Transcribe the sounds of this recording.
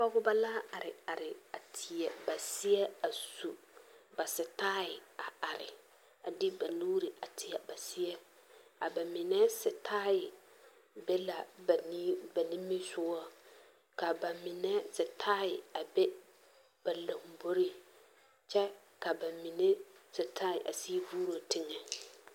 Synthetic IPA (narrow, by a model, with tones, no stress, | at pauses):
pɔ˦ɡʊ˦ba˦laː˦a˨ɾɪ˨a˨ɾɪ˨a˨tʰɪ˨ɛ˨ba˨sɪ˦ɛ˦a˨su˨ | ba˨sɪ˨taː˦ɪ˨a˨a˨ɾɪ̰˨ | a˨dɪ˦ba˨nuː˦ɾi˨a˨tʰɪ˨ɛ˨ba˨sɪ˦ɛ˦ | a˨ba˨mɪ˨nɛ˦sɪ˨tʰaː˦jɪ˨ | bɛ˦la˨bn˦ba˨nɪ̃˦mːi˦sʊ˦ɔ˦ | ka˨ba˨mɪ˨nɛ˦sɪ˨tʰaː˦ɪ˨a˨be˦ | b̥a˨lo˨ŋ˨bo˦ɾi˦ | t͡ʃɛ˦ | ka˨ba˨mɪ˨nɛ˦sɪ˨taː˦ɪ˨ʔa̰˨si˦vuː˦ɾo˨tɪ˦ŋɛ˨